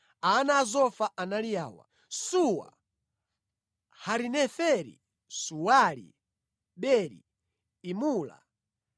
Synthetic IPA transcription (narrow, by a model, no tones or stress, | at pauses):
anaːzɔfaʔanalijaːwa̰ | suwa̰ | haɾinɛfɛɾḭ | suwalḭ | ɓɛɾḭ | imuːla̰